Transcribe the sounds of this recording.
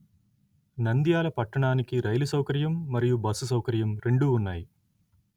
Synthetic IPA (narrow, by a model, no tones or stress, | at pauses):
nɐnd̪jaːlɐpɐʈːɐɳaːnikiɾɐjlusɐwkɐɾjɐmːɐɾijubɐsusɐwkɐɾjɐmɾe̞ɳɖuːnːaːji